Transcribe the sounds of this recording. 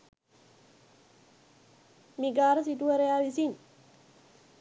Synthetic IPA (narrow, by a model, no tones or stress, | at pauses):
miɡaːɾɐsiʈuʋɐɾɐjaːʋisin